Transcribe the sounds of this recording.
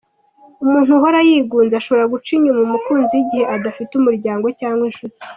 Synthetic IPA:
umuːnhuɦoɾajiːɡuːnzaʃo̞βo̞ɾaɡut͡ʃiɲumumukuːnzijiɟihe̞ʔadafitumuɾɟaːŋɡo̞caːŋɡwenʃuze

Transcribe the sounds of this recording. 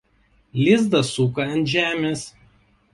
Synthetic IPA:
lʲɪzd̪ɐsukɐɐnʒʲæːmʲeːs

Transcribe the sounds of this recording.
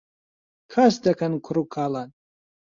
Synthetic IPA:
kʰasdakʰankʷʰʊɾukʰalan

